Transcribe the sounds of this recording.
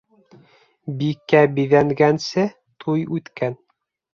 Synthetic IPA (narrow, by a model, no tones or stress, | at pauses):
bikːæbiðæŋɡænsɘ | t̪ʰujʉt̪kæn